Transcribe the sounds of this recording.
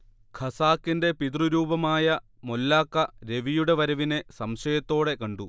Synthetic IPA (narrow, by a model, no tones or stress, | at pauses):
kʰɐsaːkːinde̞pit̪ruɾuːbɐmaːjɐ | molːaːkːɐɾe̞ʋijuɽe̞ʋɐɾɐʋine̞sɐmɕɐjɐt̪ːo̞ːɽe̞kɐɳɖu